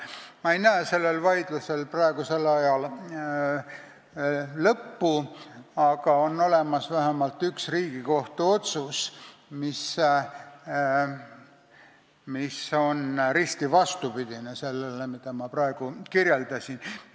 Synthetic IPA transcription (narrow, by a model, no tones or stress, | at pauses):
mɑejnæːse̞lːe̞lvɑjd̪̥luse̞lprɑeɡ̥use̞lɑjɑl | lɤpːuɑɡ̥ɑo̞nːo̞le̞mɑsvæɦemɑlt̪ːˑyksriːɡ̥iko̞ht̪uo̞t̪susmis | miso̞nɾist̪ivɑst̪upid̪̥inese̞lːelemid̪̥ɑmɑprɑeɡ̥ukiɾjeld̪ɑsʲin